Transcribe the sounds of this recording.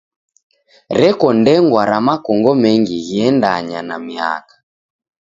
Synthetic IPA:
ɾɛkɔndɛŋɡwaɾamakɔŋɡɔmɛŋɡiɣiɛndaɲanamia̰kḁ

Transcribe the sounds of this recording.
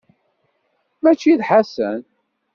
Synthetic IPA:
mæt͡ʃːiðħasə̰n

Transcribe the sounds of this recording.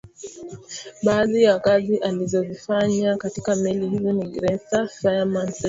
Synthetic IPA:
ɓaːðijakaziʔalizɔvifaɲakatikamɛlihizɔniɡɾɛsafaamans

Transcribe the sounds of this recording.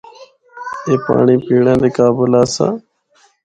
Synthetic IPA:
eːpa̰ːɳiːpiːɽãːd̪eːkaːbəlaːsã̰ː

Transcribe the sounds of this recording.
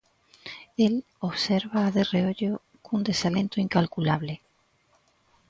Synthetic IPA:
el | o̞βse̞ɾβaːðe̞reoʎo | kund̪e̞salẽ̞nt̪oiŋkalkulaβ̞le

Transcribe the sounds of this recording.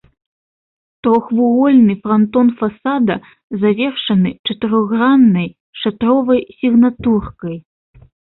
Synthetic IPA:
t̪ɾɔxvuɣɔlʲnɨfɾant̪ɔnfasad̪ɐ | zavʲɛrʂɐnɨt͡ʂɐt̪ɨɾɔɣɣranːɐj | ʂat̪ɾɔvɐjsʲiɣnat̪urkɐj

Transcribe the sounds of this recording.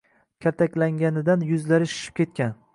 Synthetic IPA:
kʲʰaɾt̪ʰakʲlaŋʲanɪd̪anjʊzlaɾɪʃʊ̥ʃɪ̥p̚kʲe̞t̪̚kʲan

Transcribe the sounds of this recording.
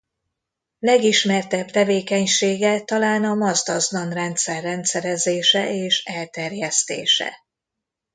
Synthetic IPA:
lɛɡiʃmɛrt̪ɛbt̪ɛveːkɛɲʃeːɡɛt̪ɒlaːnɒmɒzd̪ɒznɒnrɛnt̪sɛrːɛnt̪sɛɾɛzeːʃɛʔeːʃɛlt̪ɛrjɛst̪ḛːʃɛ̰

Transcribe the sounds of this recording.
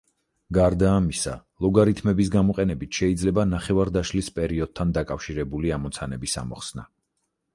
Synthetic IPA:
ɡaɾd̪aːmisalˠɔɡaɾit̪ʰmɛbis̬ɡamɔqʼɛnɛbit̪ʰʃɛid̪zlɛbanaχɛvaɾd̪aʃlispʼɛɾiɔd̪̚t̪ʰːand̪akʼafʃiɾɛbuliamɔt̪sʰanɛbisa̰mɔχsna̰

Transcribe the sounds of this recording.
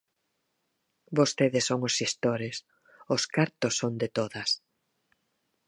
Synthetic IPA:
bost̪eðɪsːoŋʊsist̪oɾɪs | ʊskaɾt̪ʊsːond̪ɪt̪oðɐs

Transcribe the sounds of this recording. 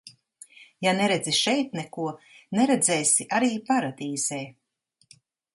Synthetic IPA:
janɛɾed̪ziʃɛjt̪̚nɛkuɔnɛɾed̪zɛjsiʔaɾiːpaɾad̪iːz̥ɛː

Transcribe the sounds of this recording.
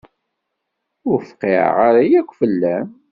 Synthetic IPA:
ʊɾfqːḛʁaɾajækʷːfəlːæm

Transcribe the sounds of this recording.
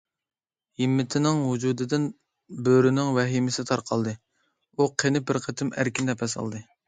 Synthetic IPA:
himːɪt̪ʰɪnɪŋɦud͡ʒud̪ɨd̪ɪn | bøɾɪnɪŋwɛɦimɪsɪt̪ʰɑɾqʰɑlˠd̪ɨ | uqʰenɪbɪɾqʰət̪ʰɪmæ̰ɾkʲind̪ɛpʰɛsɑ̰lˠd̪ɨ

